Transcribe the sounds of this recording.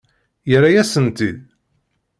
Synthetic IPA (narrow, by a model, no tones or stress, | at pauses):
jəɾajæsənt̪ið